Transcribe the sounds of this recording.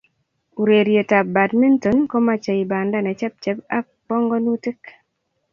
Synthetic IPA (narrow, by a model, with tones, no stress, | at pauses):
u˨ɾe˨ɾje˨ta˨b̚ba˨tmi˦nto˨˦nko˦ma˦t͡ʃa˨i˨ba˨nda˦nɛ˨t͡ʃɛ˦p̚t͡ʃɛ˦pa˦ | pɔ˦ŋɡɔ˦nu˦tɪ˦k